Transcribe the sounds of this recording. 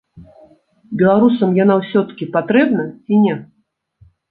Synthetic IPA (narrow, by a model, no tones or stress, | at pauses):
bʲɛlˠaɾusɐmjanawsʲɔt̪ɐ̥kʲipat̪ɾɛbnɐt͡sʲinʲɛ